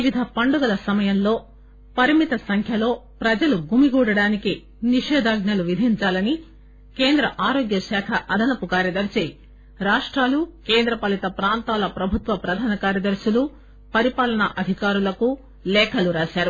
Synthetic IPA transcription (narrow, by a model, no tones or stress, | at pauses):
ʋid̪ʱɐpɐɳɖuɡɐlɐsɐmɐjɐmlo̞ː | pɐɾimit̪ɐsɐŋkʰjɐlo̞ːpɾɐd͡ʒɐluɡumiɡuːɽɐɽaːniki | niʂɛːd̪aːɡnɐluʋid̪ʱiɲt͡ʃaːlɐni | keːnd̪ɾɐʔaːɾo̞ːɡjɐʃaːkʰɐʔɐd̪ʱɐnɐpukaːɾjɐd̪ɐɾsi | ɾaːʂʈɾaːlukeːnd̪ɾɐpɐlit̪ɐpɾaːnt̪aːlɐpɾɐbʱut̪ʋɐpɾɐd̪ʱaːnɐkaːɾjɐd̪ɐɾʃulu | pɐɾipaːlɐnɐʔɐd̪ʱikaːɾulɐku | lɛːkʰɐluɾaːʃaːɾu